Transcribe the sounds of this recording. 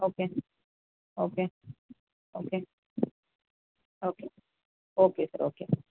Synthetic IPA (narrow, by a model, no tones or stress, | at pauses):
oːke | oːke | oːkeː | oːke | oːkesɐ̰ɾo̰ːke